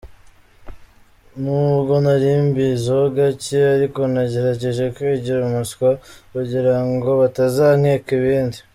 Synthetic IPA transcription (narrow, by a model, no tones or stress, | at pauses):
nuːuɡo̞naɾiːmbizoɡaceaɾiko̞naɟe̞ɾaɟeʒe̞kwiːɟiɾamuskwakuɟiɾaŋɡo̞βatazaːŋ̥heːkiβiːndi